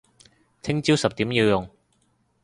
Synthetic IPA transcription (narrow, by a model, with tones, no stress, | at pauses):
t͡sʰɪ˥ŋt͡si˥wsɐ˨p̚t̪iː˨˥mji˧wjʊ˨˩ŋ